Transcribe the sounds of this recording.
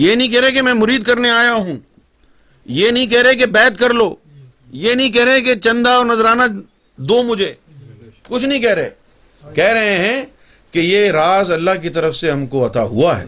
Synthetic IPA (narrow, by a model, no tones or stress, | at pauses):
jeːnɐɦĩk̬ɛɦɾek̬emɛ̃ːmʊɾiːd̪̚kɐɾneaːjaɦũː | jeːnɐɦĩk̬ɛɦɾek̬ebɛːt̪̚kɐɾloː | jeːnɐɦĩk̬ɛɦɾeẽket͡ʃɐ̃nd̪aɔːɾnɐzɾaːna | d̪oːmʊd͡ʒʱeː | kʊt͡ʃʰnɐɦĩkɛɦɾeː | kɛɦɾɐɦẽɦɛ̃ | kejeɾaːzɐlːaɦkit̪ɐɾəfseɦɐmkoɐt̪a̰ɦṵaɦɛ̰ː